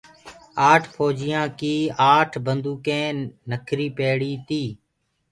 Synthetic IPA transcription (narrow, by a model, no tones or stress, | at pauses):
aːʈʰpʰoːd͡ʒɪjãːkiːaːʈʰbənd̪uːkẽːnəkʰɾiːpeːɽiːt̪iː